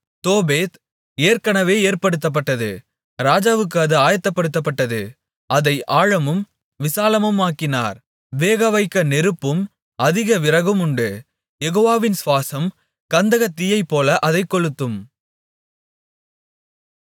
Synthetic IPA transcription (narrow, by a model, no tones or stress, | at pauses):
t̪oːbeːt̪ | eːɾkɐɳɐʋeːeːɾpɐɽɯt̪ːɐp̬ːɐʈːɐðɯ̰ | ɾaːd͡ʒaːʋɯk̬ːɯɐðɯaːjɐt̪ːɐpːɐɽɯt̪ːɐp̬ːɐʈːɐðɯ | ɐðɐɪʔaːɻɐmɯm | ʋɪsaːlɐmɯmaːkɪna̰ːɾ | ʋeːɣɐʋɐɪkːɐnɛɾɯpːɯm | ɐðɪɣɐʋɪɾɐɣɯmʊɳɖɯ | jɛɣoːʋaːʋɪnsʋaːsɐm | kɐnd̪ɐɣɐt̪ːɪjɐɪpːoːlɐʔɐðɐɪkːɔɻɯt̪ːɯm